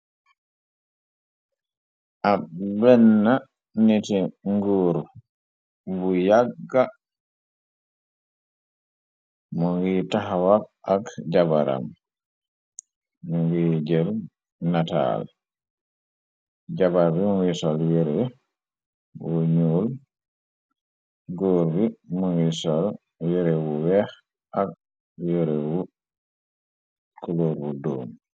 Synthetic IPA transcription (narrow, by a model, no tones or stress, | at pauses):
ʔabɛnːa | nitiŋɡuɾ | bujaɡːa | mɔŋɡitaɦwabʔakd͡ʒabaɾa̰m | mɔŋɡid͡ʒel | nata̰l | d͡ʒabaɾbimuŋɡisɔljeɾe | wɔɲuːl | ɡoːɾbimuŋɡisɔl | jeɾewuwɛx | ʔak̚ | joɾewu | kuloɾwudɔ̰ːm